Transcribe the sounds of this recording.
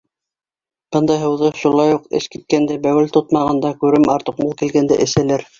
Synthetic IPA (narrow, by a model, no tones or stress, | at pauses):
b̥ɤnd̪ɑjɦɤ̆wðɤʃulˠɑjuqɘ̰ʃkit̪̚kænd̪æbæwɘlt̪ot̪mɑʁɑnd̪ɑkʉɾɘmɑɾt̪ɤq̚mulˠkilɡænd̪æ̰ʔɘ̆sɘ̆lɘɾ